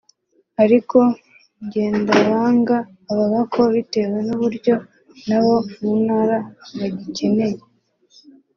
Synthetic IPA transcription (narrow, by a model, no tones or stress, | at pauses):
aɾikʰo̞ | ɲɟe̞ːndaɾaːŋɡaː | βaβakʰo̞βite̞we̞nuβuɾɟo̞ | naβo̞munhaːɾaβaɟice̞ne̞je